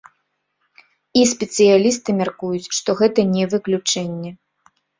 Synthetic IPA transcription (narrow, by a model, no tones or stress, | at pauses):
ispʲɛt̪sɨjalʲist̪ɨmʲarkujut͡sʲʂt̪ɔɣɛt̪ɐnʲɛvɨklʲut͡ʂɛnʲːɛ